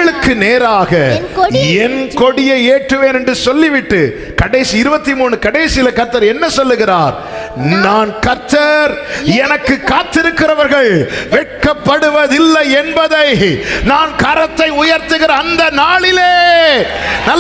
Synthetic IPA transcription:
ɐɭɯkːɯneːɾaːɣɐ | ɛnkɔɽɪjɐeːʈrɯʋeːnɛndrɯsɔlːiʋɪʈːɯ | kɐɽɐɪsiɪɾɯbɐt̪ːimuːɳɯkɐɽɐːsɪjɪlɐkɐɾt̪ːɐɾɛnːɐsɔlːɯɣɪraːɾ | naːnkɐɾt̪ːɐɾɛnɐkːɯkːaːt̪ːɪɾɯkːɪɾɐʋɐɾɣɐɭʋɛʈ̚kɐpːɐɽɯʋɐðɪlːɐɛnbɐðɐɪnaːnkɐɾɐt̪ːɐɪʊjɐɾt̪ɯɣɪɾɐːnd̪ɐnaːɭɪleː | nɐl

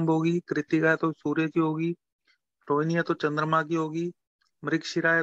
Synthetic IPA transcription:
mbɦoːɡiːkɾɪt̪ikat̪osuːɾjəkiɦoːɡiː | ɾoːɪnijat̪ot͡ʃɐ̃nd̪ɾəmãːk̬iɦoːɡiː | mɾɪkʃɪɾaːe

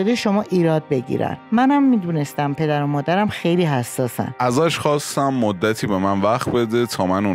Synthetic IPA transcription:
od̪eʃomɒːʔiːɾɒːd̪̚be̞ɡɟḭɾæ̰nmænæmːiːd̪uːnest̪æmpʰe̞d̪æɾomɒːd̪æɾæmxejliːɦæsːɒːsæ̰næzæʃχɒːst̪æmːod̪ːæt̪ʰiːbe̞mænvæxt̪̚be̞d̪et̪ʰɒːmænu

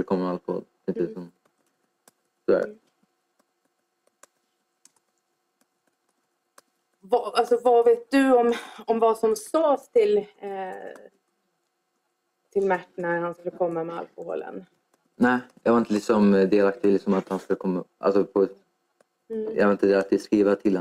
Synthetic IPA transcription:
ləkʰɔmːalko̰ːd̪ | ɪnt̪əlɪsɔm | sɔd̪æ̰ːɾ | vaalsɔvaveːt̪̚d̪ɵɔmɔmvasɔmsoːst̪ʰɪl | t̪ʰɪlmæʈːnæhanskɵləkʰɔmːamɛa̰lkʊho̰ːlə̰n | nɛːjɑ̰ɡhaɾɪnt̪əlɪksɔmd̪eːlak̚t̪ʰɪlːɪksɔmat̪hanskɵləkʰɔmːaʔa̰lsɔpʰɔ | jɑ̰ɡaɾɪnt̪əd̪ɛːat̪̚ɪskɾiːvat̪ʰɪlh

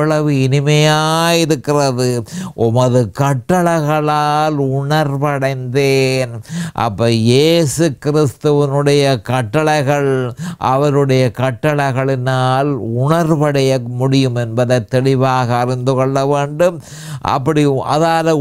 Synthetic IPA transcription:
ɐɭɐʋɯɪnɪmɐjaːjɪɾɯkːɪrɐðɯʔʊmɐðɯkɐʈːɐɭɐɪɣɐɭaːlʊɳɐɾʋɐɽɐɪnd̪eːnʔɐ̰pːɐːjeːsɯkɪɾɪst̪ɯʋɪnɯɽɐjɐkɐʈːɐɭɐɪɣɐɭʔɐ̰ʋɐɾɯɽɐjɐkɐʈːɐɭɐɪɣɐɭɪnaːlʊɳɐɾʋɐɽɐjɐmʊɽɪjɯmɛnbɐðɐɪt̪ːɛɭɪʋaːɣɐːrɪnd̪ɯkɔɭːɐʋeːɳɖɯm | ʔɐ̰pːɐɽɪjmɐ̰ðaːɾɐ

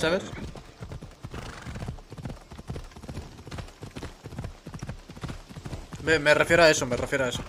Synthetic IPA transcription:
saβes | bemerefjeɾoaesomerefjeɾoaeso

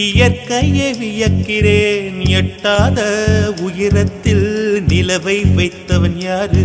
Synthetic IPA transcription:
ɪjɐɾkɐjeʋɪjɐkːɪɾeːnɪjɐʈːaːðɐʊjɪrɐt̪ːɪlnɪlɐʋɐɪʋɐɪt̪ːɐʋɐnjaːrɯ

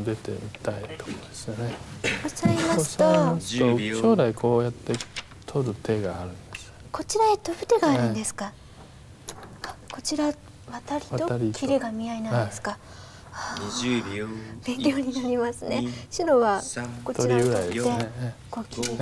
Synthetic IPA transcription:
d̪e̞t̪e̞̰mit̪ait̪o̥kod̪̥esɨone̞t͡ɕaimasɨ̥oot̪ːoɕo̞ːɾaikʰo̞ːjat̪ːe̞ | t̪ʰo̞ɾɯ̟t̪ʰe̞ɡaːɾɯ̟̃nd̪e̥esɨ̥ḁko̞t͡ɕiɾaet̪o̞bɯ̟t̪e̞ɡaːɾɯ̟̃nd̪esɨ̥ka | ako̞t͡ɕiɾa | βat̪aɾʲit̪oɾʲikʰʲiɾe̞ɡamʲiainãdesɨ̥ka | a | bẽ̞ŋkʲjo̞ːɲ̟inaɾʲimasɨne̞ɕɨɾo̞βako̞t̪oɾʲiɡɯɾaid̪eeeko̞kʲi

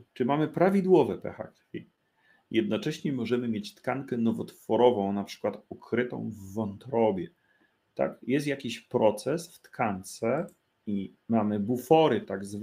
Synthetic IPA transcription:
t͡ʂɘmamɘpɾavʲid̪wɔvɛpɛ̰xa̰kfʲḭ | jʔɛd̪nɔt͡ʂɛɕɲɛmɔʐɛmɘmʲjet͡ɕt̪kankɛnɔvɔt̪fɔɾɔvɔ̃w̃napʂɘ̥kwat̪ukɾɘt̪ɔ̰̃w̃vːɔnt̪ɾɔbʲjɛ | t̪a̰kjɛst̪jakʲiɕpɾɔt̪sɛsft̪kʰant̪sɛ | i | mamɘbufɔɾɘt̪aɡzv

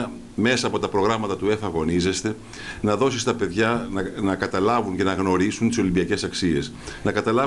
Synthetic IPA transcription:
me̞sɐːpo̞t̪ɐpɾo̞ɣɾɐmɐt̪ɐt̪ue̞fɐɣo̞nize̞st̪e̞ | nɐðo̞sist̪ɐpe̞ðʝɐnɐkɐt̪ɐlɐvuɲce̞nɐɣno̞ɾisunt̪i̥so̞limbiɐce̞sɐksie̞s | nɐkɐt̪ɐlɐ

